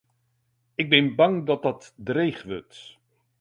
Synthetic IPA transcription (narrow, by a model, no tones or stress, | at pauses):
ɪɡ̚bɪnbɑŋdɑt̚dɑtdrejχʋø̰t